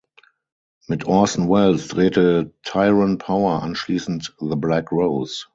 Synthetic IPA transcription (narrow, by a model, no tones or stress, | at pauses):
mɪtʰɔsn̩wɛlsd̥ʁeːtətʰaɪɹə̃npʰaʊə˞ʔã̰nʃliːsn̩tðəblækɹoʊs